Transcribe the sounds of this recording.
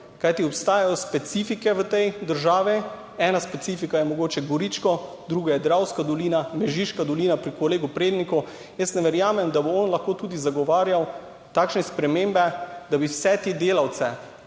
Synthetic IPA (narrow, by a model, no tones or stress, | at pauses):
kajt̪iɔpst̪aːjajɔspɛt̪siːfikɛʋət̪ɛjd̪əɾʒaːʋi | ɛːnaspɛt̪sifikajɛmɔɡoːt͡ʃɛɡɔɾit͡ʃkɔ | d̪ɾuɡajɛd̪ɾawskad̪ɔliːnamɛʒiʃkad̪ɔliːnapɾikoleːɡupɾeːd̪nikɔ | jəst̪nɛʋɛɾjaːmɛmd̪aboɔnlɐxkot̪uːd̪izaɡɔʋaːɾjaw | t̪aːkʃnɛspɾɛmembɛd̪abiwsɛt̪ed̪eːlawt̪sɛ